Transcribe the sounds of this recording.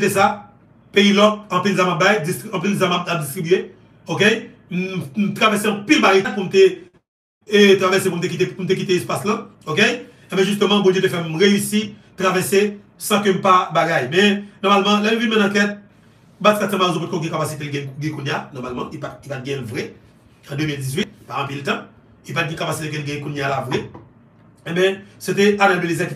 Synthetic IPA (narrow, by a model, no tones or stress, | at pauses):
t̪esa | peilɔk̚ɐ̃pilzamap̚bajd͡zist̪iɐ̃pilzamapap̚d͡zist̪ʁibye | ok̬ej | m̩m̩t̪ʁavɛseɐ̃pilbaɡajt̚pum̩t̪e | t̪ʁavɛsep̬um̩t̪̬ekit̪epum̩t̪̬ekit̪eːspaslã | ok̬ej | ɛbɛ̃ʒyst̪ømɑ̃bõd͡ʒjet̪̬efɛmʁeysit̪ʁavɛse | sãkøm̩pabaɡajmɛnɔʁmalmɑ̃lɛnuvinmɛ̃nãkɛt̪̚ | batkatsɛ̃maezɔp̬ot̚koɡɛ̃kapasit̪̬elɡɛ̃ɡɛ̃kunjanɔʁmalmɑ̃ʔipaipat̪̚ɡɛ̃lvʁɛ | ɑ̃d̪ømildizɥit̪̚paɑ̃piltã | ilpat̪̚ɡɛ̃kapasit̪ek̬ɛ̃lɡɛ̃ɛ̃kunjalavʁɛ | ebɛ̃set̪̬ɛanalbelizɛki